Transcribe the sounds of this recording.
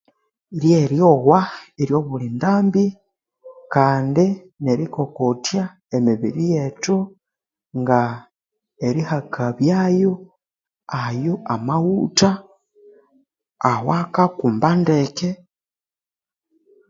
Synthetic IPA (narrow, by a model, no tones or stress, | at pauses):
ɾjeɾjowaeɾjo̞βulindaːmbi | kaːndi | neɾikokotja | emiβḭɾijetu | ŋɡa | eɾihakʰaβjaːjo | ajoamahuta | wakakuːmbandeke